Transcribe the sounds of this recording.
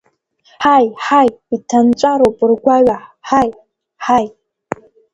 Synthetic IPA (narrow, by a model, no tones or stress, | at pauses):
ħajħajitʰant͡ʃʷʼaɾopʼɨrɡʷaɥaħaj | ħaj